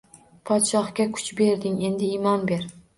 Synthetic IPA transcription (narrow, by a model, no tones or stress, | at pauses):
pʰɒt̪ʃɒχkʲakʰʊ̥t͡ʃbe̞ɾd̪ɪŋe̞nd̪ɪɪmɒnbe̞ɾ